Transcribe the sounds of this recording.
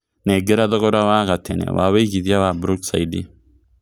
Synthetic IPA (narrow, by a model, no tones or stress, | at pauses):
neːɡːɛɾɐd̪ɔkɔd̪ɐwaːkɐt̪ʰːɛnɛ̰wʔa̰ːwɛjɡɪd̪ɪjawaːbɾʊksɐjd̪ɪ